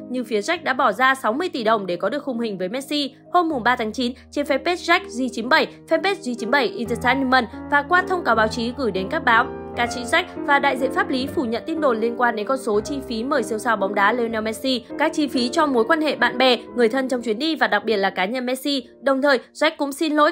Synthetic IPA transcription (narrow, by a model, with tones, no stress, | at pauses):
ɲɨ˧fi˨˦əza˦˥k̟̚ɗa̰ː˧˥ɓɔ˧˩zaː˧sa˨˦wmɨ˧əjt̪i˧˩ɗə˨˩wŋ͡mɗe˧˩kɔ˨˦ɗɨ˨˩ək̚hʊ˨˩ŋ͡mhï˨˩ŋ̟vəː˨˦jmɛ˦˥t̚si˧ | ho˧mːʊ˨˩ŋ͡mɓaː˧t̪ʰaː˨˦ŋt͡ɕi˨˦nt͡ɕe˧nfɛ˧˥pe˦˥t̚za˦˥jk̚zi˧t͡ɕi˨˦nɓə˧˩jfɛ˧pe˦˥t̚zi˧t͡ɕi˨˦nɓə˧˩jʔi˧tə˨˧t̪aː˧˥ni˧mə˨˧˩nvaː˨˩kwaː˧t̪ʰə˧wŋ͡mkaː˨˦wɓaː˨˦wt͡ɕi˨˦ɣɨ˧˩jɗe˨˦nkaː˦˥k̚ɓaː˨˦w | kaː˨˦t͡ɕï˨˦ŋ̟za˦˥jk̟̚vaː˨˩ɗa̰ː˧˨jzḭ˧˨ənfaː˦˥p̚li˨˦fu˧˩ɲə̰˧˨nt̪i˧ənɗo˨˩nli˧ənkwaː˧nɗe˨˦nkɔ˧nso˨˦t͡ɕi˧fi˨˦məː˨˩jsi˧əwsaː˧wɓɔ˨˦wŋ͡mɗaː˨˦le˧nɛ˧wmɛ˧˥t̚si˧kaː˦˥k̚t͡ɕi˧fi˨˦t͡ɕɔ˧mo˨˦jkwaː˧nhḛ˧˨ɓa̰ː˧˨nɓɛ˧˩ŋɨ˨˩əjt̪ʰə˧nt͡ɕɔ˧wŋ͡mt͡ɕwi˨˦nɗi˧vaː˨˩ɗa˨˩k̚ɓi˨˩ət̚laː˨˩kaː˨˦ɲə˧nmɛ˧˥t̚si˧ | ɗə˨˩wŋ͡mt̪ʰəː˨˩jzwa˦˥k̟̚kʊ̰˧˥ŋ͡msi˧nlo̰˧˥j